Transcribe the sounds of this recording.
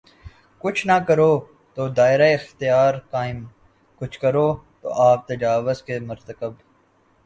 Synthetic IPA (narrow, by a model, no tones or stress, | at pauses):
kʊt͡ʃʰnakəɾoː | t̪oːd̪aːɪɾaɪxt̪ijaːɾkaːɪm | kʊt͡ʃʰkəɾoːt̪o̰ːʔaːp̚t̪ɐd͡ʒaːʋʊzkemʊɾt̪əkəb